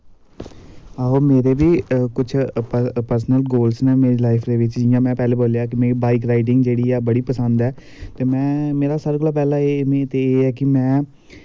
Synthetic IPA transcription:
aːɦoːmeːɾeːʋiːkʊt͡ʃʰəpəɾsnəlɡoːlsnɛːmeːɾelaːɪpʰɾeːʋɪt͡ʃd͡ʒɪjãːmɛ̃ːpɛːleːboːlejaːk̬ɪmeːiːbaːɪk̬ɾaːɪʈɪŋɡd͡ʒeːɽiːɛːbəɽiːpəsənd̪ɛː | t̪eːmɛ̃ːmeːɾaːsaɾɡʊlaːpɛːlaːemẽt̪eːeːɛːkɪmɛ̃ː

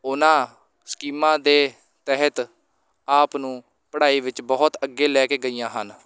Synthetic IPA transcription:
ʊnãː | sə̥kiːmãːd̪eː | t̪ɛɦət̪ | aːpnũː | pəɽaːiːʋɪt͡ʃbɔːt̪əɡːeːlɛːkeːɡəijãːɦən

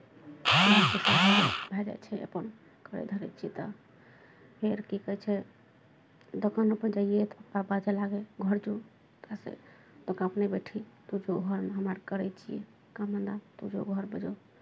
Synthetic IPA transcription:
ɦəməkisabbʱɛd͡ʒa̰jt͡ʃʰɛə̰pən | kəɾɛ̰d̪ʱəɾɛ̰t͡ʃʰiit̪ɔ | pʰeɾkikəjt͡ʃʰɛ | d̪okʰənupəd͡ʒaijet̪pabad͡ʒelaɡeɡʱəɾd͡ʒu | t̪asḛ | t̪okãəpnebeʈʰit̪ud͡ʒoɡʱəɾmeɦəmaɾkəɾɛt͡ʃʰijḛ | kamənd̪at̪ud͡ʒo̰ɡʱəɾbəd͡ʒɔ

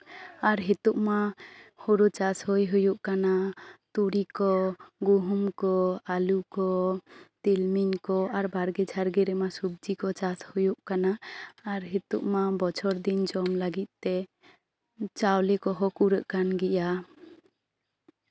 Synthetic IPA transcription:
aɾɦet̪uʔmahoɾut͡ʃashojɦujuʔkanat̪uɽikɔɡuɦumkɔalukɔt̪ilminkɔaɾbaɾɡɛd͡ʒʱaɾɡɛɾɛmasub̚d͡ʒikɔt͡ʃashujuʔkanaaɾɦet̪ṵʔmabɔt͡ʃʰɔɾd̪ind͡ʒɔmlaɡit̪̚ˀt̪ɛ | t͡ʃawlɛkɔɦɔkuɾəʔkanɡɛʔa

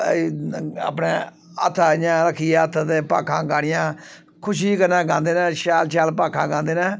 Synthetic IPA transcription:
a̰ːpneː | ə̰t̪ʰːɲãːləkʰiːɛət̪ʰt̪eːpa̰ːkʰãːɡaːɽ̃ɪjãː | kʰʊʃiːkəɾnãːɡãːnd̪eːnɛ̃ːʃaːlt͡ʃaːlpaːkʰãːɡãːnd̪eːnɛ̃ː

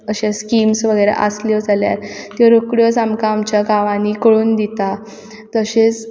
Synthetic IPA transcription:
əɕẽskiːmsʋəɡəjɾḛʔa̰sljəd͡zalja̰ɾt̪jɔɾokɽjət͡samkaːmt͡ɕjaɡaʋãnikəɽuːnd̪it̪a | t̪əɕet͡s

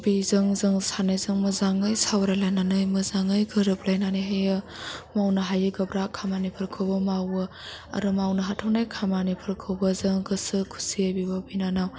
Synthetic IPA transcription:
bizɯŋzɯŋsanajzɯŋmɐzaŋɯjsawɾalajnanɯjmɯzaŋɯjɡɯɾɯp̚lajnaniɦajɯmawnɐɦajɯɡɐbɾakʰamanipʰɯɾkʰɯwbɐmawɯ | a̰ɾɯmawnɐɦatʰawnajkʰamanipʰɯɾkʰɯwbɐzɯŋɡɯsɯkʰu̥siajbibabinanaw

